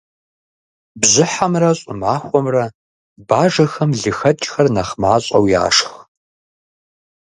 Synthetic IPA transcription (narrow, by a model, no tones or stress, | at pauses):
bzɪħamrɐɕʼʊmaːxʷɔmrɐ | baːʐɐxɐmɮɨxɐt͡ʃʼxɐrnɐχmaːɕʼɐ̰wja̰ːʂx